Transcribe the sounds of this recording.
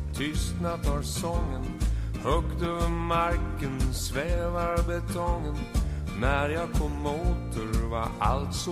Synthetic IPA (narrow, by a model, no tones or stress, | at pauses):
t̪ʰʏst̪nad̪ɑvsɔŋːən | hœkt̪øːvəɾmaɾkənsvɛːvaɾbɛt̪ʰɔŋənː | æɾjɑkʰɔmːoːt̪ʰəɾva̰a̰lt̪sɔ